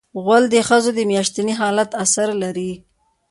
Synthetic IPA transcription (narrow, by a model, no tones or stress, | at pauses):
ɣwald̪əxəzod̪əmjɑʃt̪aniɦɑlat̪asaɾlaɾi